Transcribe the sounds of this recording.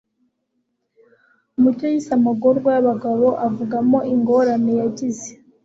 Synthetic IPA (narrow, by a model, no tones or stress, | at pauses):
umucojisamaɡo̞ɾɡwajaβaɡaβo̞ʔavuɡamo̞iŋɡo̞ɾane̞jaɟize